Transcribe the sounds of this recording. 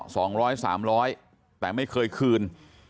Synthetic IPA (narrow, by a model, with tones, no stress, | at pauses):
sɔː˩˦ŋɾɔː˦˥jsaː˩˦mɾɔː˦˥j | t̪ɛː˨˩ma˥˩jkʰɤː˧jkʰɯː˧n